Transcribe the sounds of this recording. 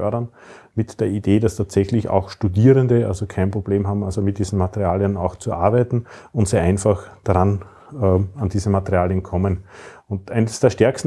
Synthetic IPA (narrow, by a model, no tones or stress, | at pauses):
œɐɾɐn | mɪtd̥eːɐideːdastʰaːtsɛçlɪça̰ʊxʃtudiːʁəndəa̰lzokʰæɪnpʁob̥leːmɦaːbm̩alzomɪt̚d̥iːzn̩matəʁiaːljənaʊxt͡suʔa̰ɐbæɪtn̩ʊntseːɐʔæɪnfaxd̥aʁan | ɛandiːzəmatəʁiaːljənkʰɔmənʊntʔæɪnəsd̥eːɐʃtɛɐkstn̩